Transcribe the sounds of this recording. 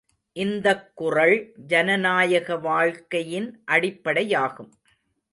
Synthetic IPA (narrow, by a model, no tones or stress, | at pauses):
ʔɪnd̪ɐkːʊrɐɭd͡ʒɐnɐnaːjɐɣɐʋaːɻkɐjɪnʔɐɽɪpːɐɽɐjaːɣɯm